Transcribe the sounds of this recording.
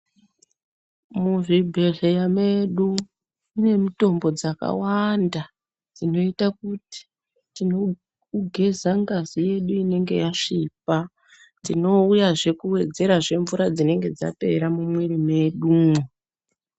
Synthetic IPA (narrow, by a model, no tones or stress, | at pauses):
muʐibʱe̞ɮejame̞ɗu | une̞muto̞mbo̞d͡zaka̰wanda | d͡zino̞itakuti̥ | tino | uɡʱe̞zaŋɡazije̞ɗuine̞ŋɡe̞̰jaʂip̚a | d͡zino̞ujaʐe̞kuwe̞d͡ze̞ɾaʐe̞ɱvuɾad͡zine̞ŋɡe̞d͡za̰pe̞̰ɾamumwerime̞ɗuːmo